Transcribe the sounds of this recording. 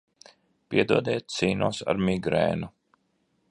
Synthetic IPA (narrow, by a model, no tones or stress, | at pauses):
piɛd̪uɔd̪ɛːt̪siːnuːsa̰ɾmʲiɡɾɛ̰ːnu